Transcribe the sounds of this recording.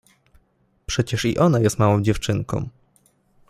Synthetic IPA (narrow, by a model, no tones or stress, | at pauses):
pʂɛt͡ɕɛʂḭʔɔnajɛst̪mawɔ̃w̃d͡ʑɛft͡ʂɘŋkɔ̰̃w̃